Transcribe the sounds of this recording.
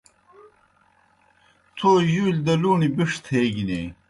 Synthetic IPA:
t̪ʰojuːlʲd̪ɐluːnibiʂt̪ʰeːɡineː

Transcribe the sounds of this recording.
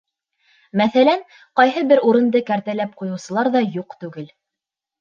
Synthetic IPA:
mæθælæŋ | qɑjɦɤbɘɾuɾɤ̆nd̪ɤkæɾt̪ælæp̚qujɤ̆wsɤ̆lˠɑɾðɑjuqt̪ʉɡɘl

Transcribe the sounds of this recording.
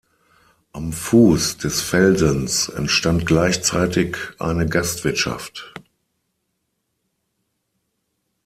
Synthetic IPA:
ʔamfuːsd̥ɛsfɛlzənsɛ̰ntʃtant̚ɡ̥laɪçt͡saɪtɪkʔa̰ɪnəɡastv̥ɪɐtʃa̰ft

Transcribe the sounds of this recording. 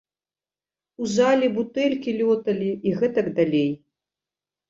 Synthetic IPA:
uzalʲibut̪ɛlʲkʲilʲɔt̪ɐlʲiiɣɛt̪ɐkd̪alʲej

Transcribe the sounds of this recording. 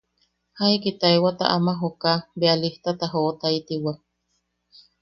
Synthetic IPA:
haikit̪aewat̪a̰ʔamaɦokabealiht̪at̪aɦoʔt̪ait̪iwa

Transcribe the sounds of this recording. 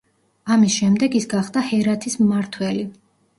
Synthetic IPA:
amisʃɛmd̪ɛɡisɡaχd̪ahɛɾat̪ʰismmaɾt̪ʰwɛli

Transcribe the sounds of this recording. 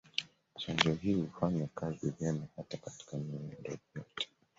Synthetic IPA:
t͡ʃandiɔhihufaɲakazivɛmahatakati̥kamiundɔjɔtɛ̥

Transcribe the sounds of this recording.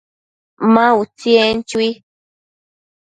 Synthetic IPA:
mãut͡sient͡ʃwi

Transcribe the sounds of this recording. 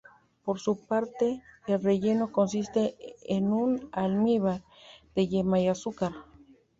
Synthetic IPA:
poɾsupaɾt̪eːlreʝenokons̬ist̪eːnunalmiβaɾ | d̪̥eʝemajasukaɾ

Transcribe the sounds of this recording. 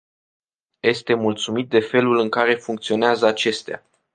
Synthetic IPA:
je̞st̪e̞mult̪sumit̪̚d̪e̞fe̞lulɨŋkaɾe̞fuŋk̚t̪sio̞neazəat͡ʃe̞st̪ea̰

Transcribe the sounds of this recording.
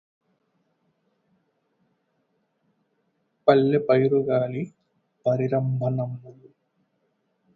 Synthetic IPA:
pɐlːepɐjɾuɡaːli | pɐɾiɾɐmbʱɐnɐmːulu

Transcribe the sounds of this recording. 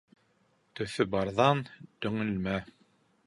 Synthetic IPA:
t̪ɵ̆θɵbɑɾðɑnt̪ɵ̆ŋɘ̆lmæ

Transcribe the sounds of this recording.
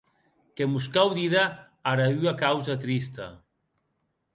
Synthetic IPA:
kemuskawðiða | aɾayakawzat̪ɾist̪a̰

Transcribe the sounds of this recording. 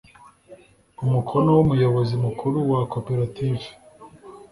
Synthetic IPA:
umukʰono̞wumujo̞βozimukʰuɾuwakopeɾativ

